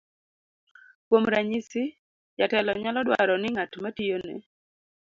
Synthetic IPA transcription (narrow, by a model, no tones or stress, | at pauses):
kwomɾaɲisɪ | jatɛlɔɲalɔdwa̰ɾɔnɪŋatmatijonɛ̰